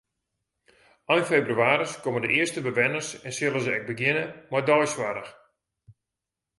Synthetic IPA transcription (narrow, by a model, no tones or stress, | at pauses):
ɔjnfejbryaːɾəskomədə̰ʔɪəstəbəʋɛnərsɛnsɪlˠəzəɛɡ̚bəɡɪnəmɔrdɔjswaɾəx